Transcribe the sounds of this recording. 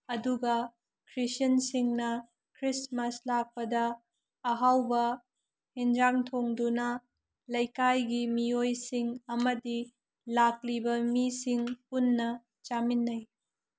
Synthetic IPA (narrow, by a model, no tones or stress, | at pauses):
ɐduɡɐ | kʰɾisɐnsiŋnɐ | kʰɾismɐslak̚pɐdɐː | ɦawbɐ | hind͡ʒɾaŋtʰoŋdunɐ | lɐjkajɡimiojsiŋɐmɐdi | lak̚libɐmisiŋpunːɐ | t͡ʃaminːɐj